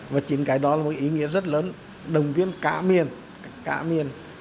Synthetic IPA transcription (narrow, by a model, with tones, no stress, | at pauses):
vaː˨˩t͡ɕi˨˦nkaː˨˦jɗɔ˨˦laː˨˩mo˨˩ʔi˨˦ŋḭ˧˥əzə˦˥t̚ləː˨˦n | ɗə˨˩wŋ͡mvi˨˧˥ənka̰ː˧˥mi˨˩ən | ka̰ː˧˥mi˨˩ən